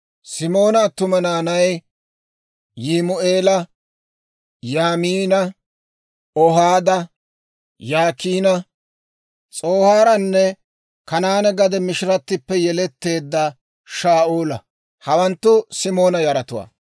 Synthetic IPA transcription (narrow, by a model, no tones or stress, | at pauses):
sɪmo̞ːnɐt̪ʊmɐnaːnɐj | jimʊeːlɐ | jaːmiːnɐ | ɔɦaːd̪ɐ | jaːkiːnɐ | t͡sʼo̞ːhaːɾɐnːɛ | kɐnaːnɛɡɐd̪ɛmɪʃɪɾɐt̪ːɪpːɛjɛlɛt̪ːe̞ːd̪ːɐ | ʃaːʔuːlɐ̰ | hɐwɐnt̪ːʊsɪmo̞ːnɐjɐɾɐt̪ʊwa̰ː